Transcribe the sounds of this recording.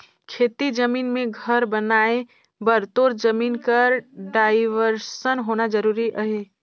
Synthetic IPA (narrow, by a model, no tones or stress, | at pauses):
kʰeːt̪id͡ʒəmiːnmẽɡʱəɾbənaːe | bəɾt̪oːɾd͡ʒəmiːnkəɾɖaːɪʋəɾsənɦoːnad͡ʒəɾuːɾiʔəɦeː